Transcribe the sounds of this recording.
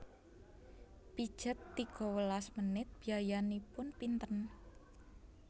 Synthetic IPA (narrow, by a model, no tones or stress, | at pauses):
pid̥ʒ̥ə̤t̪ːiɡ̥ɔ̤wəlasmənɪt̪̚b̥iajanipʊnpint̪ən